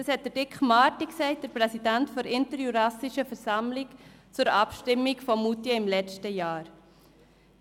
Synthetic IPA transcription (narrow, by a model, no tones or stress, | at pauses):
dɑshɛt̚d̥əɾd̥ɪkχmɑːtiksɛɪt̚d̥əɾpʁɛsidæntfɔɾɪntəɾjuɾɑsɪʃəfəɾsɑmlɪkt͡sʊɾɑpʃtɪmːɪkfɔmutiəɪmlɛt͡stəjaːɾ